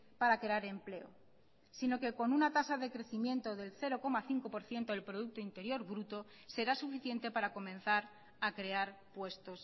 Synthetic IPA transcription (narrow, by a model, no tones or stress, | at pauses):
paɾakɾeaɾe̞mple̞o | sino̞ke̞ko̞nunat̪asaðe̞kɾe̞θimje̞nt̪o̞ðe̞lθe̞ɾo̞ko̞maθiŋko̞po̞ɾθje̞nt̪oelpɾo̞ð̞uk̚t̪oint̪e̞ɾjo̞ɾβɾut̪o̞ | se̞ɾasufiθje̞nt̪e̞paɾako̞mẽ̞nθaɾ | akɾe̞aɾpwe̞st̪o̞s